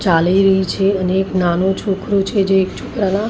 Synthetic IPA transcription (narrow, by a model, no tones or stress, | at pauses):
t͡ʃaliɾəɦit͡ʃʰeəneːknanot͡ʃʰokɾot͡ʃʰed͡ʒeːkt͡ʃʰʊkɾana